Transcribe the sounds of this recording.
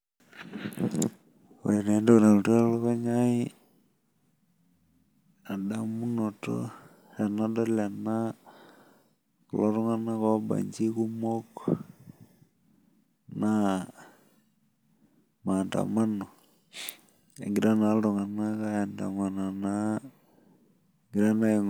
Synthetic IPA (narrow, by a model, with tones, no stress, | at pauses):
o̰˨ɾe˨na˨˦nda˦kna˨lto˦lɔ˦kɔ˦ɲa˦i˦ | a˨da˨mu˦no˨to̰˦ | ra˨na˦dɔ˦la˨na˦ | klo˦ɾu˦ŋa˦na˦ka˦ba̰˨ɲd͡ʒi˦ku˦mɔ˦k | na˦ | ma˨nta̰˨ma˦no˨ | a̰˨ŋɡɪ˨ɾa˦na˨˦ldɔ˨ŋa˨na˦ka˦ja˨nda̰˨ŋa˨na˨na˦ | ŋɡi˨ɾa˦na˦˨ŋ